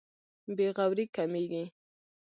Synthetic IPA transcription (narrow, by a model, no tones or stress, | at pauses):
beɣawɾikameɡi